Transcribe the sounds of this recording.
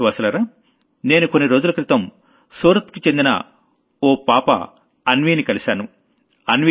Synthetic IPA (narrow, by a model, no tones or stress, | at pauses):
ʋɐːsɐlɐɾaː | ne̞ːnuko̞nːiɾo̞ːd͡ʒulɐkɾit̪ɐm | suːɾɐt̪kut͡ʃe̞nd̪inɐ̰ | oːpaːpɐ̰ | ɐnʋiːnikɐlisaːnu | ɐnʋ